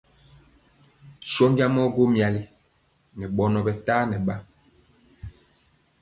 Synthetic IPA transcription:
sɔ˦ɲd͡ʒa˦mɔ˦ɡo˦mja˨li˦ | nɛ˨ɓɔ˨nɔ˨bɛ˨taː˦nɛ˨ɓa˦

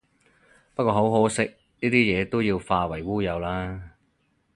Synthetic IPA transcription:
pɐ˥t̚kʷɔː˧ɦo˨˥wɦo˨˥sɪ˥k̚ | niː˥t̪iː˥jɛː˨˧t̪o˥wjiː˧wfaː˧wɐ˨˩jwuː˥jɐ˨˧wlaː˥

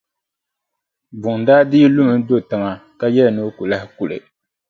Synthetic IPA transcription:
bʊ˨ŋ˨daː˦di˦lʊ˦mɨ˨˦n˦do˦˨tɨ˨ŋa˨ka˦jɛ˦lno˦ku˨la˦hɪ˦ku˨lɨ̰˨

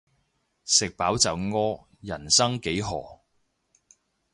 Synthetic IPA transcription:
sɪ˨k̚paː˨˥wt͡sɐ˨˩wŋɔː˥ | jɐ˨˩nsɐ˥ŋke˨˥jɦɔ̰ː˨˩

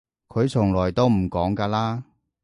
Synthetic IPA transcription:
kʰɵ˨˧ɥt͡sʰʊ˨˩ŋlɔː˨˩jt̪o˥wm̩˨˩kɔː˨˥ŋkaː˧laː˥

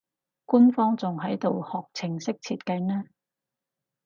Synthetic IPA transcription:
ku˥nfɔː˥ŋt͡sʊ˨ŋɦɐ˨˥jt̪o˨whɔː˨k̚t͡sʰɪ˨˩ŋsɪ˥k̚t͡sʰiː˧t̚kɐ˧jnɛː˥

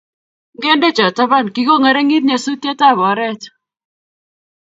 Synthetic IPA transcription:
ɡɛ˦nde˦t͡ʃɔ˨ta˦ba˦˨nki˨ɡo˦ŋɛ˨ɾɛ˦ŋi˦t̪̚ɲa˨su˦tja˦ta˦˨βɔ˨˦ɾɛ˦t

